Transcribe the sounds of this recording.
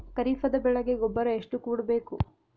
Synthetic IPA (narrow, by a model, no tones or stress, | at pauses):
kɐɾiːfɐd̪ɐbɛɭɐɡeɡɔbːɐɾɐeʂʈukuːɽɐbe̞ːku